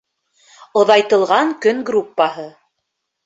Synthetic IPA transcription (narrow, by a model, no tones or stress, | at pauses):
ŏðɑjt̪ɤ̆lˠʁɑŋkɵŋɡrupːahɤ